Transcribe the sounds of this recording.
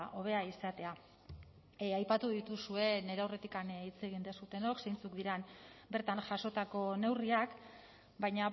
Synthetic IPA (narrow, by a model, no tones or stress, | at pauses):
ʔo̞βe̞aisat̪e̞a | ajpat̪uðit̪usue̞ne̞ɾeawre̞t̪ikanit͡se̞ɣ̞ind̪e̞sut̪e̞no̞kse̞jnt͡sukd̪iɾanbe̞ɾt̪anʝaso̞t̪ako̞ne̞wriak | bajɲa